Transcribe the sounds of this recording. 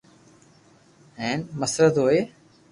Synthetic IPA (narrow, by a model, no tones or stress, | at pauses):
ɦɛ̃ːnməsɾəd̪ɦoːeː